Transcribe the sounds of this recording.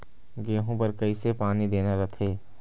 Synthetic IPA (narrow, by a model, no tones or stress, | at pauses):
ɡeːɦõpɐɾkɐisepaːnid̪eːnaɾət̪ʰeː